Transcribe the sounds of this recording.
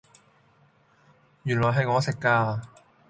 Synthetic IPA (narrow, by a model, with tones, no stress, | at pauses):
jyː˨˩nlɔː˨˩jɦɐ˨˧jŋɔː˨˧sɪ˨kːaː˧